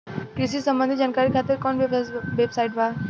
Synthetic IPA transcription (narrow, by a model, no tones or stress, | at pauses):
ʈɾisisə̃mbənd̪ʱid͡ʒaːnkaɾikʰat̪ːəɾkɔnʋebsajʈʋa